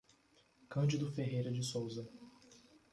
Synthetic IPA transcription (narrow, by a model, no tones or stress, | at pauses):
kɐ̃d͡ʒɪd̪ʊfeɦejɾɐd͡ʒɪsowzɐ